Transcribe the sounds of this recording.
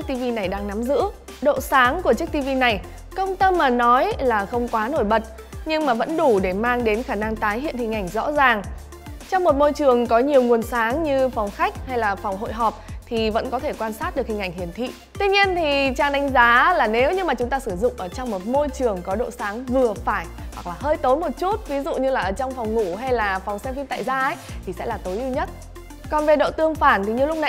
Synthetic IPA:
k̚t̪i˧vi˧na˨˩jɗaː˧ŋna˨˦mzɨ̰˧˥ | ɗo̰˧˨saː˨˦ŋku˧˩ət͡ɕɨ˦˥k̚t̪i˧vi˧na˨˩j | kə˧wŋ͡mt̪ə˧mːaː˨˩nɔ˨˦jlaː˨˩xə˧wŋ͡mkwaː˨˦no˧˩jɓə˨˩t̚ | ɲɨ˧ŋmaː˨˩və̰˧˥nɗu˧˩ɗe˧˩maː˧ŋɗe˨˦nxaː˧˩na˧ŋt̪aː˨˦jɦḭ˧˨ənhï˨˩ŋ̟ʔa˧˩jŋ̟zɔ̰˧˥zaː˨˩ŋ | t͡ɕɔ˧wŋ͡mmo˨˩t̚mo˧jt͡ɕɨ˨˩əŋkɔ˨˦ɲi˨˩əwŋu˨˩ənsaː˨˦ŋɲɨ˧fɔ˨˩wŋ͡mxa˦˥jk̟̚ha˧jlaː˨˩fɔ˨˩wŋ͡mɦo̰˧˨jɦɔ˨˩p̚t̪ʰi˨˩və̰˧˥nkɔ˨˦t̪ʰe˧˩kwaː˧nsaː˦˥t̚ɗɨ˨˩ək̚hï˨˩ŋ̟ʔa˧˩ŋ̟hi˨˩ənt̪ʰḭ˧˨ | t̪wi˧ɲi˧ənt̪ʰi˨˩t͡ɕaː˧˩ŋɗa˨˦jŋ̟zaː˨˦laː˨˩ne˨˦wɲɨ˧maː˨˩t͡ɕʊ˨˦ŋ͡mt̪aː˧sɨ˧˩zʊ̰˧˨ŋ͡mʔəː˧˩t͡ɕɔ˧wŋ͡mmo˨˩t̚mo˧jt͡ɕɨ˨˩əŋkɔ˨˦ɗo̰˧˨saː˨˦ŋvɨ˨˩əfaː˧˩j | hwa˨˩k̚laː˨˩ɦəː˧jt̪o˨˦jmo˨˩t̚t͡ɕu˦˥t̚vi˨˦zṵ˧˨ɲɨ˧laː˨˩ʔəː˧˩t͡ɕɔ˧wŋ͡mfɔ˨˩wŋ͡mŋṵ˧˥ɦa˧jlaː˨˩fɔ˨˩wŋ͡msɛ˧mfi˧nt̪a̰ː˧˨jzaː˧ʔə˦jt̪ʰi˨˩sɛ̰˧˥laː˨˩t̪o˨˦jʔi˧wɲə˦˥t̚ | kɔ˨˩nve˨˩ɗo̰˧˨t̪ɨ˧əŋfaː˧˩nt̪ʰi˨˩ɲɨ˧lʊ˦˥k͡p̚na˧˨

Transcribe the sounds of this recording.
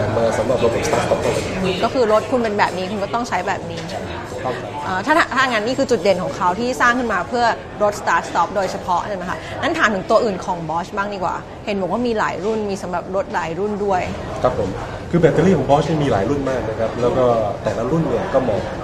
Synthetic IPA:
a˨˦maː˧sa˩˦mɾa˨˩p̚ɾo˦t̪̚ʰːst̪aː˦˥st̪ɔː˦˥p̚t̪ʰa˧a˨˩˥ʔɯː˧˩kɔː˥˩kʰɯː˧ɾo˦˥t̪̚kʰu˧npe˧nbɛː˨˩p̚niː˦˥kʰu˧nkɔ˥˩t̪ɔ˥˩ŋt͡ɕʰa˦˥jbɛː˨˩p̚niː˦˥a˥˧˥kʰa˦˩a˦˥ʔaː˧˩t̪ʰaː˥˩a˧˩t̪ʰaː˥˩ŋaː˧nːiː˥˩kʰɯː˧t͡ɕu˨˩t̪̚de˨˩˦nkʰɔː˩˦ŋkʰa˦˥wt̪ʰiː˥˩saː˥˩ŋkʰɯ˥˩nmaː˧pʰɯ˥˩ɐ | ɾo˦˥t̪̚st̪aː˦˥t̪̚st̪ɔ˦˥p̚doː˧jt͡ɕʰa˧pʰɔ˦˥ʔʰa˥˩ma˦˥kʰa˦˥ | na˦˥nt̪ʰaː˨˦nʰɯ˩˦ŋt̪u˧ɐʔɯː˨˩nkʰɔː˩˦ŋbɔː˦˥t͡ɕbaː˥˩ŋdiː˧˩kwa̰ː˨˩ | he˩˦nbɔː˨˩kwaː˥˩miː˧la̰ː˩˦jɾu˥˩nmiː˧sa˨˦mɾa˨˩p̚ɾo˦˥t̪̚laː˩˦jɾu˥˩ndu˥˩əj | kʰɾa˦˥pʰːo˩˦m | kʰɯː˧bɛː˨˧t̪eː˧liː˥˩kʰɔː˩˦bɔː˦˥sni˦˥˩miː˧laː˩˦jɾu˥˩nmaː˥˩k̚na˦˥kʰa˦˥p̚lɛː˦˥wkɔː˥˩t̪ɛː˨˩la˦˥ɾu˥˩nnɯ˨˩əkɔː˥˩mɔː˧ŋ

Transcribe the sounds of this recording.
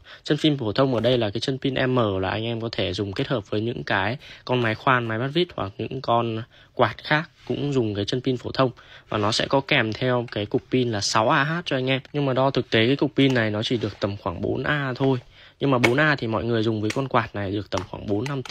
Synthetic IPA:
t͡ɕə˧npi˧nfo˧˩t̪ʰə˧wŋ͡mʔəː˧˩ɗə˧jlaː˨˩kaː˨˦jt͡ɕə˧npi˧nʔɛ˧mːəː˧˩laː˨˩ʔa˧ŋʔɛ˧mkɔ˨˦t̪ʰe˧˩zʊ˨˩ŋ͡mke˦˥t̚həː˨˩p̚vəː˨˦jɲɨ̰˧˥ŋkaː˨˦jkɔ˧nma˨˦jxwaː˧nma˨˦jɓa˦˥t̚vi˦˥t̚hwa̰˨˩k̚ɲɨ̰˧˥ŋkɔ˧n | kwaː˨˩t̚xaː˦˥k̚ːkʊ̰˧˥ŋ͡mzʊ˨˩ŋ͡mkaː˨˦jt͡ɕə˧npi˧nfo˧˩t̪ʰə˧wŋ͡mvaː˨˩nɔ˨˦sɛ̰˧˥kɔ˨˦kɛ˨˩mt̪ʰɛ˧wkaː˨˦jkʊ˨˩k͡p̚pi˧nlaː˨˩sa˨˦wʔaː˧ɦaː˦˥t̚t͡ɕɔ˧ʔa˧jŋ̟ʔɛ˧mɲɨ˧ŋmaː˨˩ɗɔ˧t̪ʰɨ˨˩k̚t̪e˨˦kaː˨˦jkʊ˨˩k͡p̚pi˧nːa˨˩jnɔ˨˦t͡ɕi˧˩ɗɨ˨˩ək̚t̪ə˨˩mxwaː˧˩ŋɓo̰˨˦nʔaː˧t̪ʰo˧j | ɲɨ˧ŋmaː˨˩ɓo˨˦nʔaː˧t̪ʰi˨˩mɔ̰˧˨jŋɨ˨˩əjzʊ˨˩ŋ͡mvəː˨˦jkɔ˧nkwaː˨˩t̚na˨˩jɗɨ˨˩ək̚t̪ə˨˩mxwaː˧˩ŋɓo˨˦nːa˧m

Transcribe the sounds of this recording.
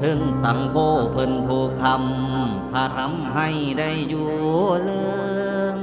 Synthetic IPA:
t̪ʰɯ˧˩˨ŋsa˩˦ŋpʰoː˧˩pʰɤ˧npʰoː˧kʰa˧m | pʰaː˧t̪ʰa˧˥˨mɦa˧˩j | da˧˥˩jːuː˧˩lɤː˧

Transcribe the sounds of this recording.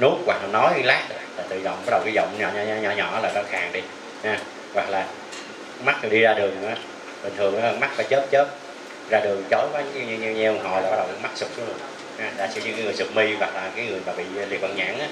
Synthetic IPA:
nu˦˥t̚waː˨˩a˨˩nɔ˨˦jlaː˦˥t̚ːlaː˨˩t̪ɨ̰˧˨zɔ̰˧˨wŋ͡mmɓa˦˥ɗə˨˩wki˨˧˦zə̰˧˨ŋ͡mɲɔ˧˩ɲ˧ɲɔ˧˩ɲɔ̰˧˩˨laː˨˩zɔ˧˩xaː˨˩ŋɗi˧ | haː˨˧˩ | wa˨˩k̚laː˨˩ | ŋ͡mma˦˥ɨ˨˩ɗi˧zaː˧ɗɨ˨˩əŋ˨ɔ˨˦ | ɓï˨˩ŋ̟t̪ʰɨ˨˩əŋnɔ˨˦a˨˩ma˦˥k̚faː˨˦jt͡ɕəː˦˥t̚t͡ɕə˦˥t̚ | zaː˧ɗɨ˨˩əŋzo˨˦wkaː˨˦ɲ˨˦i˧ɲ˧ɲ˧ɲɛ˧wɦɔ˨˩jlaː˨ɓa˦˥ɗə˨˩wma˦˥k̚sɨ˨˩k͡p̚t͡ɕu˨˦ɨ˨˧˩ | ha˨˧˦zaː˨˩si˧ɲɨ̰˧ŋkaː˨˦ŋɨ˨˩əjsɨ˨˩k͡p̚mi˧wa˨˩k̚laː˨˩kaː˨˦jŋɨ˨˩əjmaː˨˩ɓḭ˧˨lḭ˨˩t̚və̰˧˨nɲa̰ː˧˥ŋʔaː˨˦

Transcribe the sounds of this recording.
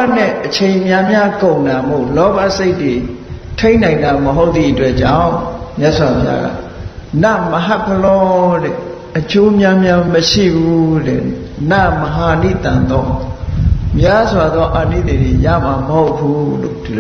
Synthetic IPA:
nɛ̰˦˨ʔət͡ɕʰẽ˨ɪ̃mja˦mja˦kõ˨ʊ̃nda˨mo̰˦˨lɔ˦ba̰˦˨se˦ɪtwe˨ | tʰẽ˦ɪ̃nã˨ɪ̃nda˨məɦo˦ʊt̪θðḭ˦˨ʔətwɛ˦ʔt͡ɕã̰˦˨mjɛ˦ʔswa˨pʰja̰˦ɡa̰˦˨na˦˨məɦa˦ʔpʰːəlɔ˦dɛ˨ | ʔət͡ɕo˦mja˦mja˦məʃḭ˦˨bu˦dɛ̰˨na˦˨məɦa˨nḭ˦˨t̪ã˨nd̪ɔ˦ | mja˦zwa˨d̪ðɔ˦ʔa˨nḭ˦˨t̪e˨ɾe˨ja̰˦˨ma˨məho˦ʊpʰːu˦lo̰˨d

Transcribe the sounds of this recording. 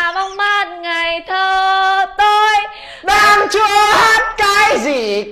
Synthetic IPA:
va˧wŋ͡mmaː˧˥t̚ŋa˨˩jt̪ʰəː˧˩t̪o˧j | ɗaː˧mt͡ɕu˧˦˧haː˦˥t̚kaː˨˦jzi˨˩

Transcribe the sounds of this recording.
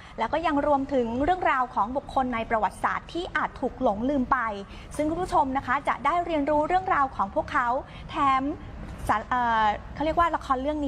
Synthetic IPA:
lɛ˦˥wkɔː˥˩ja˧ŋɾu˧əmt̪ʰɯ˩˦ŋɾɯ˥˩əŋɾaː˧wkʰɔː˩˦ŋbu˨˩kʰːo˧nːa˧jpɾa˧wa˨˩t̪̚sa̰ː˨˩t̪ʰːiː˥˩ʔaː˨˩t̪ʰːuː˨˩k̚lo˩˦ŋlɯː˧mpa˧j | sɯ˥˩ŋkʰu˧˥˩pʰu˥t͡ɕʰo˧mna˦˥kʰa˦˥t͡ɕa̰˨˩ʔdaː˥˩jɾi˧ənɾuː˦˥ɾɯ˥˩əŋɾaː˧wkʰɔː˩˦ŋpʰu˥˩əkʰːa˦˥w | t̪ʰɛː˦˥m | sa˨˩˦ʔɤː˨˩˨kʰa˥˩wɾi˥˩ək̚waː˥˩la˧kʰɔː˧nlɯ˥˩əŋnː˦˥

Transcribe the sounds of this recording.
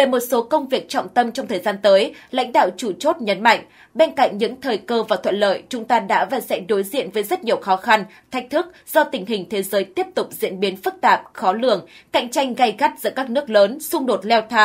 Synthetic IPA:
ve˨˩mo˨˩t̚so˨˦kə˧wŋ͡mvi˨˩ək̚t͡ɕɔ̰˧˨wŋ͡mt̪ə˧mt͡ɕɔ˧wŋ͡mt̪ʰəː˨˩jzaː˧nt̪əː˨˦jla̰˧˥jŋ̟ɗa̰ː˧˨wt͡ɕu˧˩t͡ɕo˦˥t̚ɲə˨˦nma̰˧˨jŋ̟ | ɓe˧nka̰˧˨ŋ̟ɲɨ̰˧˥ŋt̪ʰəː˨˩jkəː˧vaː˨˩t̪ʰə̰˧˨nlə̰ː˧˨jt͡ɕʊ˨˦ŋ͡mt̪aː˧ɗa̰ː˧˥vaː˨˩sɛ̰˧˥ɗo˨˦jzḭ˧˨ənvəː˨˦jzə˦˥t̚ɲi˨˩əwxɔ˨˦xa˧n | t̪ʰa˦˥jk̟̚t̪ʰɨ˦˥k̚z̥ɔ˧t̪ï˨˩ŋ̟ɦï˨˩ŋ̟t̪ʰe˨˦zəː˨˦jt̪i˦˥əp̚t̪ʊ˨˩k͡p̚zḭ˧˥ənɓi˨˦ənfɨ˦˥k̚t̪aː˨˩p̚xɔ˨˦lɨ̰˧˨əŋka̰˧˨jŋ̟t͡ɕa˧jŋ̟ɣa˧jɣa˦˥t̚zɨ̰˧˥kaː˦˥k̚nɨ˦˥ək̚ləː˨˦nsʊ˧ŋ͡mɗo˨˩t̚lɛ˧wt̪ʰaː˧

